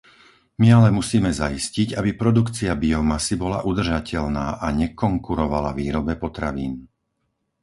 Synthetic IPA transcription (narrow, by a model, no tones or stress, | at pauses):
mialɛmusiːmɛzaisciɟabipɾɔd̪ukt͡siabiɔmasibɔlaʔud̪r̩ʒacʰɛʎnaːʔaɲɛkɔŋkuɾɔʋalaʋiːɾɔbɛpɔt̪ɾa̰ʋḭːn